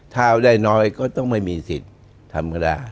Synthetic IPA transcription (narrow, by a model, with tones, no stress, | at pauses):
t̪ʰaː˥˧˩daː˥˩jnɔː˦˥jkɔː˥˩t̪ɔ˥˩ŋma˥˩jmiː˧si˨˩t̪̚ʰː | a˧ma˧˩da̰ː˧